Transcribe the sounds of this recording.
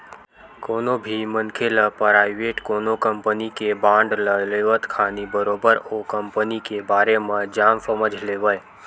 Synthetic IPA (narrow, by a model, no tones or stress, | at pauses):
koːnobʱimənkʰeləpɾaːɪʋeːʈkoːnokəmpənikebãːɳɖləleːʋət̪kʰaːnibəɾoːbəɾokəmpənikebaːɾemẽd͡ʒaːmsəməd͡ʒʱleːʋəj